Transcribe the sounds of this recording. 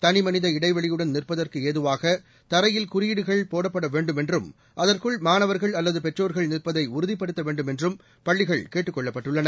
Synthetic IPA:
t̪ɐnɪmɐnɪðɐɪɽɐɪʋɐɭɪjɯɽɐnnɪrpɐðɐrkɯeːðɯʋaːɣɐ | t̪ɐɾɐjɪlkʊɾɪjɪɽɯɣɐɭpoːɽɐpːɐɽɐʋeːɳɖɯmɛndrɯm | ʔɐðɐrkɯɭmaːnɐʋɐɾɣɐɭɐlːɐðɯpɛʈroːɾɣɐɭnɪrpɐðɐɪʊɾʊðɪpːɐɽɯt̪ːɐʋeːɳɖɯmɛndrɯm | pɐɭːɪɣɐɭkeːʈːɯkːɔɭːɐpːɐʈːɯɭːɐnɐ

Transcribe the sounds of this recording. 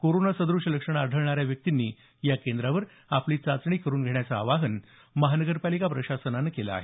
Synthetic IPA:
koɾonasəd̪ɾuʂələkʂəɳ̃aːɖʱəɭɳaɾjaʋjək̚t̪inːiː | jakend̪ɾaʋəɾ | apliːt͡sat͡sɳ̃iːkəɾuːnɡʱeɳjat͡sa̰ːʋaɦən | məɦanəɡəɾpalikapɾəɕasənanːəkela̰ːɦe

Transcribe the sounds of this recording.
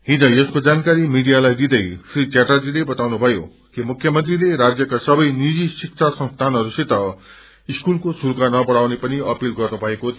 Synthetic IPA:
ɦid͡zʌjʌskod͡zankaɾimiɽijalajd̪id̪ʌjfrit͡ɕaʈʌrd͡zilebʌt̪awnubʱʌjo | kimukʰjʌmʌnt̪rileɾad͡zjʌkasʌbʌjnid͡zisik̚t͡ʃʰasʌ̃ŋst̪ʰanɦʌɾuset̪ʌ | iskulkosuɾkanʌbʌɽawnepʌniʌpilɡʌrnubʱʌeko

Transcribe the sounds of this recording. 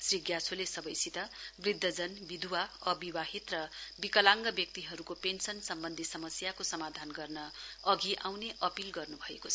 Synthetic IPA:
sriɡjat͡sʰolesʌbʌjsit̪ʌbrid̪ʱːʌd͡zʌnbid̪ʱuwaʌbiwaɦit̪rʌbikʌlaŋɡʌbjʌk̚t̪iɦʌɾukopensʌnsʌmbʌnd̪ʱisʌmʌsjakosʌmad̪ʱanɡʌrnʌʌɡiʔawneʔʌpilɡʌrnubʱʌeko

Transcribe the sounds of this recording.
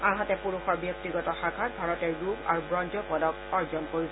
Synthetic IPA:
aɹɦatɛpuɹuxɔɹbjɔk̚tiɡɔtɔxaɡʱat̚bʱaɹɔtɛɹɹuba̰ɹubɹɔnd͡ʒɔpɔdɔkɔɹzɔnkoɹisɔ

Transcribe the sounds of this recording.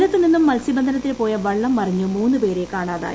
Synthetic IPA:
lɐt̪ːɨninːumːɐlsibɐnd̪ʱɐnɐt̪ːilpo̞ːjɐʋɐɭːɐmːɐriɲːumuːnːɨpe̞ːɾekːaːɳaːða̰ː

